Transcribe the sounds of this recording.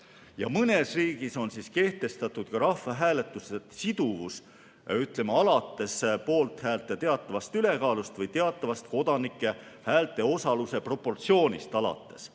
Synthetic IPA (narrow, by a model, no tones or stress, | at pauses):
jɑ̰mɤne̞sriːɡ̥iso̞nsiske̞ht̪e̞st̪ɑt̪ːˑud̪̥̚kɑɾɑfːɑɦæːlet̪ːˑusesid̪̥uvus | yt̪ˑle̞mɑɑlɑt̪ːe̞spo̞ːlt̪hæːlt̪ːˑet̪e̞ɑt̪ːˑɑvɑst̪yle̞kɑːlust̪vɤjt̪e̞ɑt̪ːˑɑvɑst̪ko̞d̪ɑnikːˑe̞ | hæːlt̪ˑe̞o̞sɑluse̞pro̞pːo̞rt̪sio̞ːnʲist̪ɑlɑ̰t̪ːˑe̞̥s